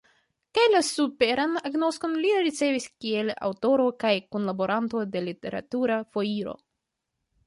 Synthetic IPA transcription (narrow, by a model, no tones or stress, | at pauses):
kajlasupe̞ɾanaɡno̞sko̞nliɾit͡se̞viskie̞la̰wto̞ɾo̞kajkunlabo̞ɾʔanto̞de̞lite̞ɾa̰tuɾafo̞iɾo̞̰